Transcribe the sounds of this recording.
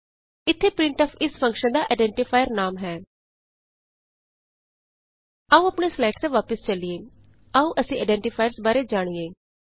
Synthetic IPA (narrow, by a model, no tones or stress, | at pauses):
ɪt̪ʰːeːpɾɪ̃ɳʈɔːpʰɪspʰəŋkʃənd̪aːʔeːɖɛ̃ːɳʈɪpʰaːjəɾnaːmɦɛː | əːũːəpɳeːslaːʈsẽːʋaːpəst͡ʃəlieː | aːũːʔəsĩːaːɖɛ̃ːɳʈɪpʰaːjəɾsbaːɾeːd͡ʒaːɽ̃iːeː